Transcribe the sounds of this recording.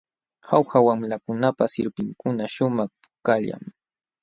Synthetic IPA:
xawxawamlakʊnapasɪɾpɪŋkʊnaʃʊmaχ | kaʎa̰ŋ

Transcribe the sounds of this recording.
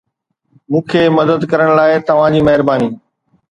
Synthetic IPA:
mũːkʰeːmɐd̪əd̪kɐɾəɽ̃laːɪt̪ɐʋ̤ãd͡ʑiːmɐɦɪɾbaːniː

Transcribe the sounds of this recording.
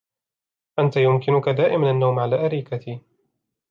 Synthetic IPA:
ʔant̪ajʊmkɪnʊkad̪aːʔɪmanʔanːawmʕalaːʔaɾiːkat̪iː

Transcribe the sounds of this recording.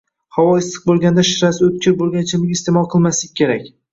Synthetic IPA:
hawɒɪsːɨ̥q̚bolˠɡʲand̪aʃɪɾasɪɵt̪̚kʲʰɪɾbolˠɡʲant͡ʃʰɪmɪkʲɪst̪emɒlˠqʰɨlˠmaslɪk̚ʲːʰe̞ɾakʲ

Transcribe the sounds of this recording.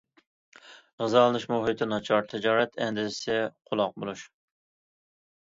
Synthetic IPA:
ʁɨzɑlˠɨnɨʃmoɦɨt̪ʰɪnɑt͡ʃʰɑɾt̪ʰɪd͡ʒɑːɾɛt̪ʰɛnd̪ɪzsɪqʰʊlˠɑq̚bo̰lˠuʃ

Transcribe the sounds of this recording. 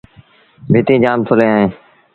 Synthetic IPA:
bʱɪːt̪ĩːd͡ʒaːmt̪ʰʊlẽːaːɦẽː

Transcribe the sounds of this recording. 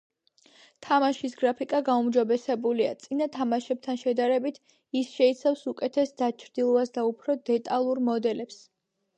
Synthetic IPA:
t̪ʰamaʃisɡɾapʰikʼaɡaumd͡ʒɔbɛsɛbulia̰t̪sʼinat̪ʰamaʃɛb̚t̪ʰanʃɛd̪aɾɛbit̪ʰ | isʃɛit̪sʰafsukʼɛt̪ʰɛsd̪at͡ʃʰɾd̪ilˠɔvasd̪aupʰɾɔd̪ɛt̪ʼalˠuɾmɔd̪ɛlɛps

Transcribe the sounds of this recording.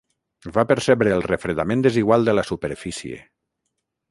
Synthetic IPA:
vapəɾsɛβɾəːlˠrefɾeðamẽnd̪əziɣwalˠd̪əlasupəɾfisiḛ

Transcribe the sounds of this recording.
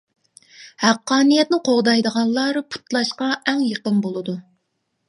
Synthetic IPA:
hæqːɑːnijɛt̪nɪqʰoʁd̪ɑjd̪əʁɑnlˠɑɾɨpʰu̥t̪lˠɑʃqɑʔɛŋjəqənbolˠɨd̪u

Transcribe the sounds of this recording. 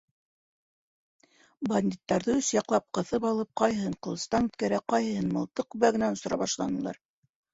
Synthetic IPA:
bɐnʲd̪ʲit̪ːɑɾðɤɵsjɑqlˠɑp̚qɤ̆θɤpɑlˠɤp̚qɑjhɤ̆hɤɴqɤ̆lˠɤ̆st̪ɑnʉt̪kæɾæqɑjhɤ̆hɤnmɤ̆lˠt̪ɤq̚k̚ʉβæɡɘ̆nænŏsŏɾɑ̰βɑʃlˠɑ̰nɤ̆lˠɑ̰ɾ

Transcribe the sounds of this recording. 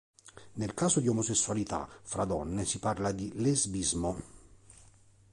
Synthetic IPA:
nelkaːsod̪iomosesːualit̪a̰fɾad̪ɔnːesiparlad̪ilezbizmo

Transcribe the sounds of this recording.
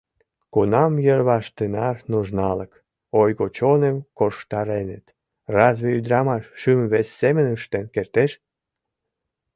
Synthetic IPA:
kunɑmjərβɑʃt̪ənɑrnuʒnɑlək | ojɣot͡ɕonemkoʃt̪ɑɾenə̰t̪ | rɑzβeyd̪ɾɑmɑʃːymβesːemənəʃt̪emkert̪eʃ

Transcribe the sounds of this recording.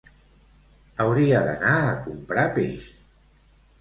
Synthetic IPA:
əwɾiaðənaːkumpɾapḛʃ

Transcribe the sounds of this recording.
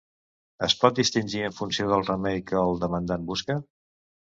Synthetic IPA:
əspɔt̪̚d̪ist̪inʲʒiəɱfunsioðəlˠrəmejkəːlˠd̪əmənd̪anbuskə

